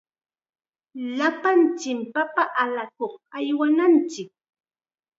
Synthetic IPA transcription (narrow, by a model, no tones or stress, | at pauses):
lapant͡ʃɪmpapaʔalakoχajwanant͡ʃɪk̚